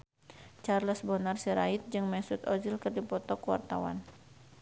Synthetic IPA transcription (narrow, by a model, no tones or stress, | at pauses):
t͡ʃarləsbɔnarsiɾait̪̚d͡ʒɨŋmɛsʊt̪ɔzilkɨrdipɔt̪ɔkəwa̰rt̪awa̰n